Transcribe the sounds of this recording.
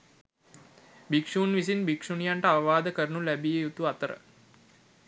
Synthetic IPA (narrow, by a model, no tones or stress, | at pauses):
bikʂuːnʋis̬inbikʂunijaɳʈəaʋəʋaːd̪əkəɾənulæbijejut̪uat̪əɾə̰